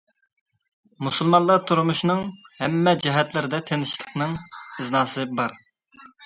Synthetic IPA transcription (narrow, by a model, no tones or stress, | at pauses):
musɨlˠmɑnlˠɑt̪ʰuɾmuʃnɨŋhɛmːɛd͡ʒɛɦɛt̪lɪɾɪd̪ɛt̪ʰenɪʃt̪ˠəqnɨŋɨznɑːsɨbɑɾ